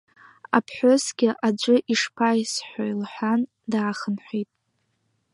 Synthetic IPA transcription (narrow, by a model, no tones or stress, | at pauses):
apʰħʷosɡʲɪʔad͡ʒʷʼɨʔiʂpʰajsħʷᶣajlħʷan | daːχənħʷitʼ